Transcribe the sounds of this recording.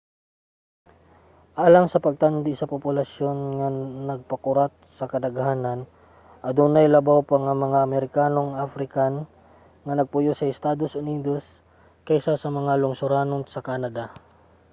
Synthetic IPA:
ʔaːlɐŋsɐpɐɡ̚t̪and̪ɪsɐpʊpʊlɐsjo̞nŋɐnɐɡ̚pɐkʊɾat̪̚sɐkɐd̪ɐɡhaːnɐn | ʔɐd̪unajlɐbawpaŋɐŋmɐŋaʔɐmɛɾɪkaːno̞ŋʔafɾɪkan | ŋɐnɐɡ̚pʊjosɐɪst̪aːd̪o̞sʔʊniːd̪o̞s | kɐʔɪsasɐmɐŋalʊŋsʊɾaːnoŋsɐkanɐd̪a

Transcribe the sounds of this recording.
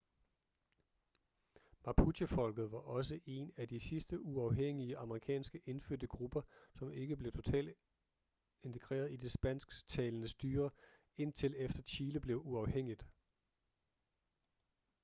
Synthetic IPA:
mɑ̈pʰuɕifɒ̽l̰ɡ̥ð̞̩ˠʋɑ̈ʔɒ̽s̬əʔe̝næd̥isisd̥əʔuɑ̈ʊɦeŋ̰iəʔɑ̈məʁikʰɛ̰ːnsɡ̥əʔe̝nføɐ̰d̥əɡ̥ʁub̥ɐsɒ̽me̝ɡ̥əb̥le̝ʊt͡sʰo̝t͡sʰɛ̰ːld̥ | e̝nt͡sʰe̝ɡ̥ʁḛːɐðˠid̥e̝sb̥æn̰sɡ̥t͡sʰɛːlənəsd̥yːɐ | e̝n̰t͡sʰe̝lefd̥ɐɕʰiːləb̥le̝ʊuɑ̈ʊheŋ̰id̥

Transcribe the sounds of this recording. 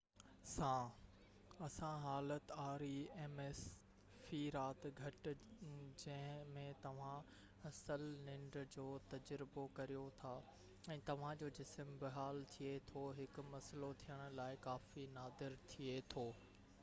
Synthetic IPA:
sãː | ɐsãɦaːlət̪aːɾieːmeːs | fiɾaːt̪ɡʱɐʈɪ̆d͡ʑɐ̃ɦɪ̃mẽt̪ɐʋ̤ã | ɐsəlnɪ̃ɳɖd͡ʑoːt̪ɐd͡ʑɾɪbokɐɾijot̪ʰaː | ɛ̃ːt̪ɐʋ̤ãd͡ʑoːd͡ʑɪsəmbɪɦaːlt̪ʰiet̪ʰoɦɪkʊ̆mɐslot̪ʰijəɽ̃ʊ̆laːɪkaːfinaːd̪ɪɾt̪ʰiet̪ʰoː

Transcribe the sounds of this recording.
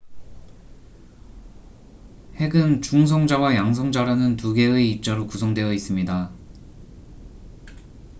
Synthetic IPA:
he̞ɡɯnt͡ɕuŋs̬ʰʌŋd͡ʑawajaŋs̬ʰʌŋd͡ʑaɾanɯntuɡe̞ɯeip̚t͡ɕ͈aɾokusʰʌŋdwe̞jʌis͈ɯmɲida

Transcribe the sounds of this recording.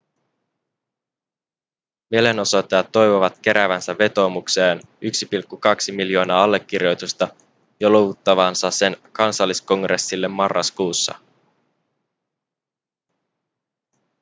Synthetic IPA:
miele̞no̞sot̪ːejɑt̪ːo̞jʋoʋɑt̪k̟e̞ɾʔæʋænsæːe̞t̪o̞ːmukse̞ːn | yksipilkːukɑksimiljo̞ːnɑːɑlːe̞kːirjo̞jt̪ust̪ɑ | joloʋut̪ːɑʋɑnsɑse̞nkɑnsɑlːisko̞ŋɡrʔe̞sːilːe̞mːɑrːɑ̰skuːsːɑ̰

